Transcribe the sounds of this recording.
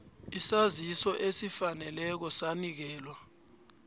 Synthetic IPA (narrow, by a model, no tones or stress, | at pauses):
isazisɔʔesifanɛlɛk̬ɔsanik̬ɛːlwa